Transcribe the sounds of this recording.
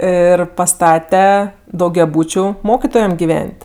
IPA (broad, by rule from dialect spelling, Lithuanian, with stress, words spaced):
ˈɪr pɐˈstɑːtʲɛ dɐʊɡʲɛˈbuːt͡ʃʲʊ ˈmoːkʲɪtoːjɛm ɡʲɪˈʋʲɛnʲtʲ